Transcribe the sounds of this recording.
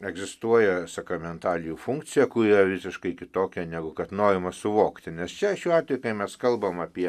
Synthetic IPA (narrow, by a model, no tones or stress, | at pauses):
ɛɡzʲɪst̪uɔjɛsɐkɾɐmʲɛnt̪ɑːlʲɪjuːfuŋkt͡sʲɪjɛkʊiːrɐʋʲɪsʲɪʃkɐɪkʲɪt̪oːkʲɛnʲæɡʊkɐt̪noːɾʲɪmɐsʊʋoːkt̪ʲɪnʲɛst͡ʃʲɛʃʲuːɑːt̪ʲʋʲɛjukɐɪmʲɛskɐlˠbɐmɐpʲiɛ